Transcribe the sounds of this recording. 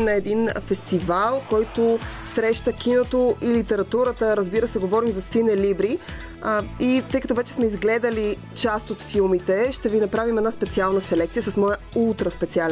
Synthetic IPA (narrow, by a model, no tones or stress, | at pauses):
nɐɛd̪infɛst̪ivalˠkɔjt̪osɾɛʃt̪ək̟inot̪oʔilit̪ɛɾɐt̪uɾət̪əɾəzbiɾəsɛɡovɔɾimzɐsinɛlibɾi | it̪ɤjkɐt̪ɔvɛt͡ʃɛ̥smɛizɡlɛd̪əli | t͡ʃast̪ot̪filˠmit̪ɛʃt̪ɛvinɐpɾavimɛd̪naspɛt̪sialˠnəsɛlɛkt̪sijəsɐsmɔjə | ulˠt̪ɾəspɛt̪sialɛ